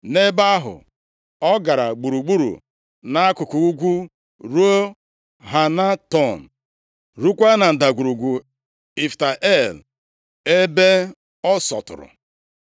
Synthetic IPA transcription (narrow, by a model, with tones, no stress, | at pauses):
ne˦ba˦ɦʊ̰˨ | ɔ˦ɡa˨ɾa˨ɡ͡bu˨ɾu˨ɡ͡bu˦ɾṵ˨ | na˦a˦kʊ˨kʊ˨u˦ɡʷu˦ | ɾu˦o˦ | ɦa˨na˦tɔ˦˨n̩˨ | ɾu˦kʷa˦na˨n̩˨da˨ɡʷu˨ɾu˨ɡʷu˨ | i˨fta˨ʔe˦˨l | e˦be˦ | ɔ˦sɔ̰˨tʊ̰˨ɾʊ̰˨